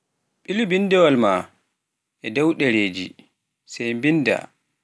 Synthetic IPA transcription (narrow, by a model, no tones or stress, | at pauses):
ɓilibindɛwalma | ʔɛdɛwɗɛɾeːd͡ʒḭ | sɛjmbinda̰